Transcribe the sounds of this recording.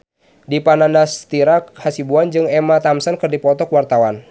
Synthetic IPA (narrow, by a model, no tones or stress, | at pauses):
dipanandast̪iɾakhasibuand͡ʒɨŋɛmat̪amsankɨrdipɔt̪ɔkwart̪awan